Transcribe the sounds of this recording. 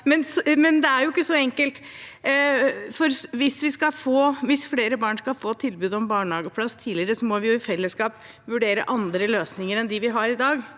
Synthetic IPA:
mɛnsmɛnd̪ɛæɾjʊɪkːəsɔɛŋkəlt̪ | fɔɾʋɪsʋɪskɑfoːʋɪsfleːɾəbɑːɳskɑfoːt̪ʰɪlbʉːd̪ɔmbɑːɳhɑːɡəpʰlɑsːt̪ʰiːlɪɾəsɔmɔʋɪjʊɪfɛlːəskɑːp | ʋʉɖeːɾə̰ʔɑnd̪ɾəløːsnɪŋəɾɛnd̪ɪʋɪɦɑɾɪd̪ɑːɡ

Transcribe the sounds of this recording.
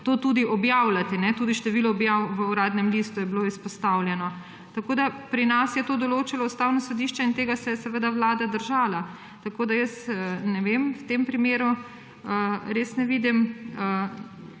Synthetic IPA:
t̪ot̪uːd̪iʔɔbjawlat̪ɛnɛt̪uːd̪iʃt̪ɛʋiːlɔːbjawʋəuɾaːd̪nɛmlist̪ujɛbiloispɔst̪awlʲjɛnɔ | t̪akoːd̪apɾinasjɛt̪oːd̪ɔloːt͡ʃalɔust̪awnɔsɔd̪iːʃt͡ʃɛint̪eːɡasɛjɛsɛʋəd̪awlaːd̪ad̪əɾʒaːla | t̪akoːd̪ajəst̪ənɛʋemwt̪empɾimeːɾu | əɾeːsnɛʋiːd̪imə

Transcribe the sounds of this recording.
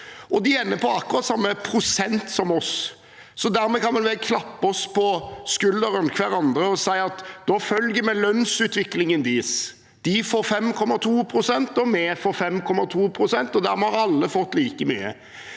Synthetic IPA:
ʔɔd̪ɪɛnːəpʰɔɑkːʊɾɑːt̪sɑmːəpʰɾʊsɛnt̪sɔmɔs | sɔd̪æɾmɛkɑnʋɛnʋɛlkʰlɑpːəɔspɔskʉld̪əɾʉnkʰʋæɾɑnd̪ɾəɔsæɪɑt̪d̪ɔfœlɡəmɛlœnsʉːt̪ʋɪklɪŋənd̪iːs | d̪̥ɪfoːɾfɛmkʰɔmːɑt̪ʰuːpʰɾʊsɛnt̪ɔmeːfɔɾfɛmkʰɔmːɑt̪ʰuːpʰɾʊsɛnt̪ɔd̪æɾmɛhɑɾɑlːəfɔt̪ːliːkəmy̰ːə̰

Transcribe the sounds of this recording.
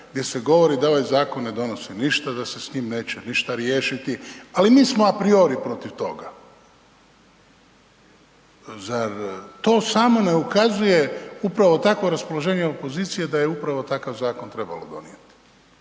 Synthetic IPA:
ɡd̪je̞seɡo̞ʋo̞ɾid̪aoʋajzaːko̞nːe̞d̪o̞no̞siniʃt̪ad̪ase̞sɲiːmne̞ːt͡ɕeniʃt̪aɾje̞ːʃit̪ialimiːsmo̞apɾio̞ɾipɾo̞t̪iʋt̪o̞̰ɡa | zaɾt̪o̞ːsamo̞ne̞ukazuje̞upɾaʋo̞t̪akʋo̞ɾaspo̞lˠoʒe̞ːɲeo̞po̞ziːt̪sije̞d̪ajeupɾaʋo̞t̪akaʋzaːko̞nt̪ɾe̞ba̰lo̰d̪o̞̰nḭjet̪i̥

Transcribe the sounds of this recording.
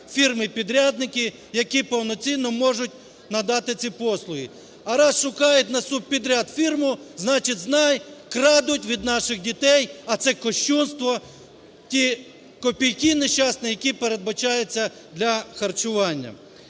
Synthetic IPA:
fʲirmɪpʲid̪ɾʲad̪nɪkɪ | jɐkʲipɔwnɔt͡sʲinːɔmɔʒʊtʲ | nɐd̪ɑt̪ɪt͡sʲipɔslˠʊɦi | ɐɾɑsʃʊkɑjʊtʲnɐsub̚pʲid̪ɾʲad̪fʲirmʊznɑt͡ʃɪtʲznɑjkɾɑd̪ʊtʲʋʲid̪nɑʃɪxdʲit̪ɛjɐt̪sɛkɔʃt͡ʃunst̪ʋɔ | tʲi | kɔpʲijkʲineʃɑsnɛjɐkʲipeɾed̪̚bɐt͡ʃɑjet͡sʲːɐ | d̪lʲɐxɐrt͡ʃʊʋɑnʲːɐ̰

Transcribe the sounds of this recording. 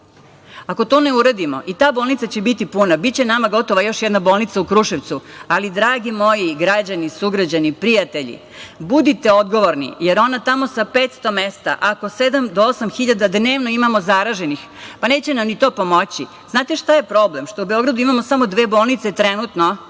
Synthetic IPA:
ako̞t̪o̞ːne̞uɾad̪imo̞̰ʔit̪aːboːlˠnit̪sat͡ɕebit̪ipunabitt͡ɕenamaɡo̞t̪oʋajo̞ʃjɛd̪nabo̞ːlˠnit̪saukɾuʃeʋt̪sualid̪ɾaːɡimo̞jiɡɾad͡ʑanisuɡɾad͡ʑanipɾijat̪e̞ʎḭ | bud̪it̪e̞o̞d̪ɡo̞ʋoɾnḭjeɾo̞nat̪amo̞sapet̪st̪o̞mest̪a̰ʔako̞sed̪amd̪oosamxiʎad̪ad̪neːʋno̞imamo̞zaɾaʒenix | pane̞ːt͡ɕe̞namnit̪o̞ːpo̞mo̞t͡ɕi | znaːt̪eʃt̪aje̞pɾo̞blemʃt̪o̞ubeo̞ɡɾad̪uimamo̞samo̞d̪ʋe̞ːbo̞ːlˠnit̪set̪ɾenut̪no

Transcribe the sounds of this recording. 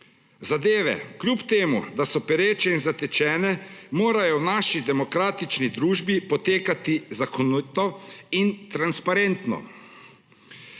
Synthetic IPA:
zad̪eːʋɛ̰klʲjupt̪eːmṵd̪asɔpɛɾeːt͡ʃɛinzat̪ɛt͡ʃɛːnɛmoːɾajɔwnaːʃid̪ɛmɔkɾaːt̪it͡ʃnid̪ɾuːʒbipɔt̪eːkat̪izakʰɔnit̪ɔint̪ɾanspaɾent̪nɔ̰

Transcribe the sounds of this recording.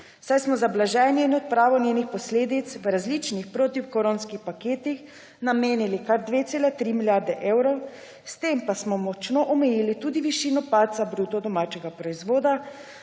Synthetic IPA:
sajsmɔzablaʒɛːnjɛinɔt̪̚pɾaːʋɔnʲjeːnixpɔsleːd̪it̪sʋɾazlit͡ʃnixpɾoːt̪iwkɔɾoːnskixpakeːt̪ix | nameːnilikaɾd̪ʋet̪seːlat̪ɾimiljaːɾd̪ɛʔewɾɔw | st̪empasmɔmɔt͡ʃnoʔɔmɛjiːlit̪uːd̪iʋiʃiːnɔpaːt̪zabɾuːt̪ɔd̪ɔmaːt͡ʃɛɡapɾɔizʋoːd̪a

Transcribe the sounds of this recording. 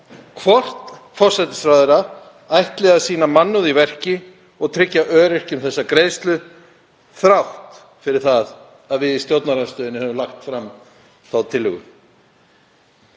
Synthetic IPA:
kʰvɔr̥t̪fɔr̥sɛt̪ɪ̥sɾawðʏɾa | ajht̪lɛɣasiːnamanːʏðivɛr̥cɪ | ɔɣt̪ʰɾɪcːaʔœːɾɪr̥cʏmθɛsːakɾeːjst̪lʏ | θɾawht̪ | fɪɾɪɾ̥θað | aðvɪðist̪jowt̪naɾanst̪œːðɪnːɪhœːvʏmlaxt̪fɾamː | θawt̪ʰɪlːʏ̰ɣʏ̰

